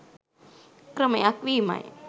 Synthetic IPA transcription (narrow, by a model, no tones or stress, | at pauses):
kɾəməjakʋiːma̰j̰